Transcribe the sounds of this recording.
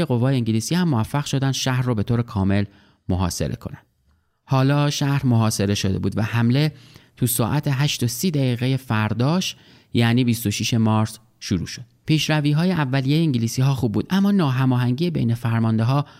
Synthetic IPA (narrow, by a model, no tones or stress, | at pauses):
eɣo̞vɒːjeiːŋɟiliːsiːhæmːovæfːæɣʃo̞d̪ænd̪̥ʃæhɾːoːbe̞t̪ʰoːɾekʰɒːme̞l | moɦɒ̰ːse̞̰ɾe̞̰kʰo̞̰nænd̪̥ | hɒːlɒːʃæhɾmo̞ɦɒːse̞ɾe̞ʃod̪e̞̰buːd̪væhæmle̞t̪ʰusɒːʔæt̪ʰeɦæʃt̪osiːd̪æɣiːɣe̞je̞fæɾd̪ɒːʃ | jæʔniːbist̪o̞ʃiːʃe̞mɒːɾs | ʃuɾṵːʃo̞d̪̥pʰiːʃɾæviːɦɒːjeʔævːælijejeiːŋɟiliːsiːɦɒːxuːb̚ːuːd̪ʔæmːɒːnɒːɦæmɒːɦæŋɟiːjebejne̞fæɾmɒːnd̪e̞ɦɒː